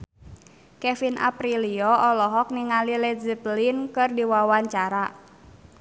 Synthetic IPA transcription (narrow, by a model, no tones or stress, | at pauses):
kɛfinʔa̰pɾiliɔɔlɔɦɔk̚niŋalilɛd͡ʒiplinkɨrdiwawaɲt͡ʃaɾa